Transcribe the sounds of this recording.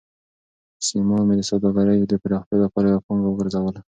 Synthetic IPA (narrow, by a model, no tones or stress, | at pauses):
simɑmed̪əsawd̪ɑɣaɾajd̪əpəɾɑxt̪jɑlapɑɾajapɑŋɡawɡəɾzawəla